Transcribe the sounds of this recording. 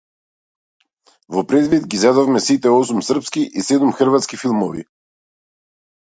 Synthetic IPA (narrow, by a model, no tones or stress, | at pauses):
vɔpɾɛd̪vid̪ɡizɛd̪ɔfmɛsit̪ɛɔsumsərpskiʔisɛd̪umxr̩vat̪skifilˠmɔvḭ